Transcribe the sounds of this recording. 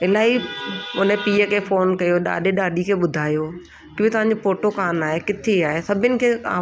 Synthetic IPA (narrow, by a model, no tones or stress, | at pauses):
ɪlaːɦiʊnə̃piːəkʰeːfoːnkɐjoɗa̰ːɗeɗaːɗikʰeːɓʊd̪ʱaːjoː | kɪbɪt̪ɐʋ̤ɦãɲ̆d͡ʑofoːʈokaːnaːɦekɪt̪ʰeaːɦesɐbʱɪənɪ̆kʰeːa̰ː